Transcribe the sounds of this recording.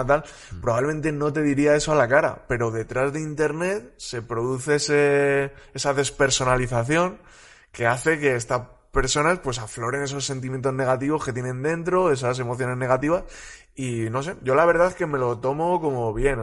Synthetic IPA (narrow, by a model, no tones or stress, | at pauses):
t̪al | pɾoβaβle̞mẽ̞nt̪eno̞t̪e̞ðiɾiae̞soalakaɾa̰pe̞ɾo̞ðe̞t̪ɾazðeint̪e̞ɾne̞t̪̚se̞pɾo̞ðuθeesee̞saðe̞spe̞ɾso̞naliθaθjo̞ŋ | ke̞aθe̞ke̞est̪a | pe̞ɾso̞naspwe̞s̬aflo̞ɾe̞ne̞s̬o̞sːe̞nt̪imjent̪o̞zne̞ɣ̞at̪iβo̞ske̞t̪je̞nẽ̞nd̪e̞nt̪ɾo̞e̞s̬as̬e̞mo̞θjo̞ne̞zne̞ɣ̞at̪iβas | ino̞s̬e̞ʝo̞laβe̞ɾð̞aeske̞me̞lo̞t̪o̞mo̞ko̞mo̞βje̞n